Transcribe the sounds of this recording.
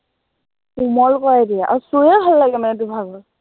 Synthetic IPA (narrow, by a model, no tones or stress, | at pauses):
umɔlkɔɹajdijaʔa̰ɹusujɛbʱalːaɡɛmanɛdubʱaɡɔɹ